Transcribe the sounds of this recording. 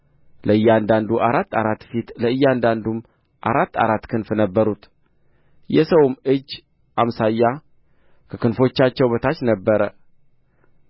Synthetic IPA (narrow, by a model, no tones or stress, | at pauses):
ləɨjːand̪and̪uʔaɾat̪ːaɾat̪ːfit̪ləɨjːand̪and̪um | ʔa̰ɾat̪ːa̰ɾat̪ːkʰɨnfnəbːəɾut̪ | jɛsəwmɨd͡ʒː | ʔamsajːa | kʰəkɨnfo̞t͡ʃːat͡ʃːɛwbət̪ʰat͡ʃnəbːəɾə